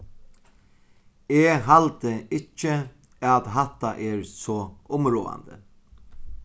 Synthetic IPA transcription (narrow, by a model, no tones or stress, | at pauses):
ɛːɦalt̪əɪcːɪ | at̪ɦat̪ːaʔɛɹsɔːʊmɾoːa̰nd̪ə̰